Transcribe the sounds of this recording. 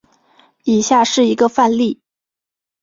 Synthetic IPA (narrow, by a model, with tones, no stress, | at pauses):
i˨˩ɕja˥˧ʂɻ̩˥˩i˧˥ɡə˧fa˥˧nli˥˩